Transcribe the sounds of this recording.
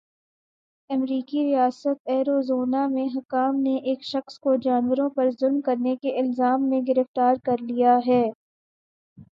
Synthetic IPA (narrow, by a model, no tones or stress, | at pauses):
ɐmɾiːkiɾijaːsət̪̚ɛːɾoːzoːnamẽɦɐkaːmneʔeːkʃɐxskod͡ʒaːnwəɾõpɐɾzʊlmkɐɾnekeʔɪlzaːmːẽɡɪɾəft̪aːɾkɐɾlijaɦɛː